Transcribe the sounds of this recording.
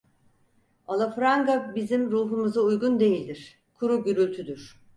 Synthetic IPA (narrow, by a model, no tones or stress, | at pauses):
alˠafɾaŋɡabizimɾuːɦumuzaujɡund̪e̞jilʲd̪iɾ̥ | kʰuɾuɟyɾylʲt̪ʰyd̪yɾ̝̥